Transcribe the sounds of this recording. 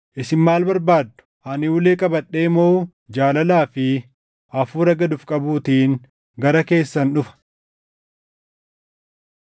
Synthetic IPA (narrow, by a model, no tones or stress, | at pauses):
ʔɪsɪnmaːlbɐɾbaːd̪ːʊ̥ʔɐnɪuːleːkʼɐbɐᶑe̞ːmo̞ː | d͡ʒaːlɐlaːfɪ | ʔɐfuːɾɐɡɐd̪ʊfkʼɐbuːt̪iːn | ɡɐɾɐke̞ːsːɐnᶑʊfɐ̥